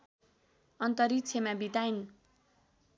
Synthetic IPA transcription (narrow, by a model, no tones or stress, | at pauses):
ʌnt̪ʌɾit͡sʰemabit̪ain